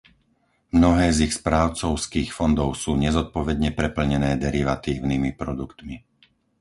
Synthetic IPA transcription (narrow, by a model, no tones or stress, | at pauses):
mnɔɦɛːzixspɾaːʊt͡sɔʊskiːxfɔnd̪ɔʊsuːɲɛzɔt̪̚pɔʋɛd̪ɲɛpɾɛpl̩ɲɛnɛːd̪ɛɾiʋat̪iːʊnimipɾɔd̪ukt̪mi